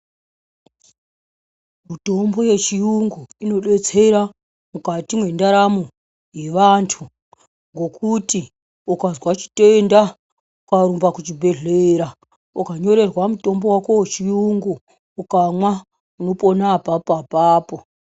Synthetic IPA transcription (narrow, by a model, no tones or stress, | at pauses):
muto̞mbo̞je̞t͡ʃijuŋɡuino̞ɗe̞t͡se̞ɾa | mukatimwe̞ndaɾamu | je̞ʋantʰu | ŋɡo̞kuti | ukazwat͡ʃi̥tenda | ukaɾumbakut͡ʃibʱe̞ɮeɾa | ukaɲo̞ɾe̞rwamuto̞mbo̞wakowet͡ʃijuŋɡuː | kamwa | uno̞po̞napapapaːpo